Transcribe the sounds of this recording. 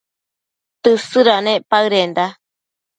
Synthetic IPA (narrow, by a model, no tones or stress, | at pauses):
t̪ɨsɨɾanẽʔpaɨɾend̪a